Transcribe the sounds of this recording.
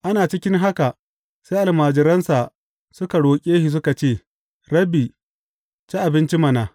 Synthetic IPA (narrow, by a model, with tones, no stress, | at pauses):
ʔa˦naː˨t͡ʃɪ˦kʲɪ˦ŋɦa˦ka˨ʔ | se˦ʔa˨lmaː˨d͡ʒɪ˨ɾɐ˦nsa˨ | sʊ˦ka˨ɽoː˨kʲʼeː˦hi˨s̬ʊ˦ka˨t͡ʃeː˦˨ | ɽɐ˦biː˨ | t͡ʃi˦ʔa˨bɪ˦nt͡ʃi˦mɐ˨naː˨